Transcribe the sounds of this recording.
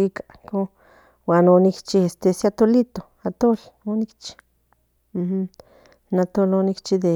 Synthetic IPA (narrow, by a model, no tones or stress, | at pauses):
ika | ko | wanonikt͡ʃiest̪esiat̪olit̪o | at̪ol | onikt͡ʃi̥ | m̩h̩ | nat̪olonikt͡ʃid̪e